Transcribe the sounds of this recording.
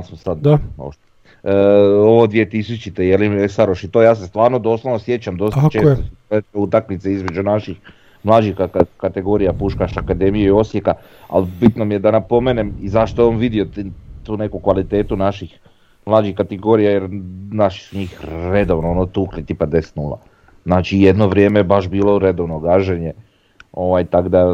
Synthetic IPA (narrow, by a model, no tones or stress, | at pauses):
alsmsad̪d̪o̰ | oʋod̪ʋije̞t̪is̬ut͡ʃit̪ejeliesaɾoʃit̪o̞jaːs̬est̪ʋaːɾnod̪o̞slˠoʋnosje̞t͡ɕamd̪o̞st̪t͡ʃet̪osueeut̪akmit̪seizmed͡ʑunaʃix | mlˠaːd͡ʑixakakat̪eɡo̞ːɾijapuʃkaʃakad̪e̞mijeio̞sjeka | a̰lbit̪nomije̞d̪anapo̞meːnemizaʃt̪ojeamʋid̪io̞t̪t̪uːne̞kukʋalit̪e̞ːt̪unaʃix | mlˠaːd͡ʒixkːat̪eɡo̞ːɾijajeɾnaʃi̥suɲiːxɾed̪o̞ʋnoonot̪uːklit̪ipad̪est̪nuːlˠa̰ | znaːt͡ʃije̞d̪noʋɾje̞ːmeebaʃbiːlˠo̞ɾe̞d̪oʋnoɡaʒeɲe | o̞ʋajt̪akd̪a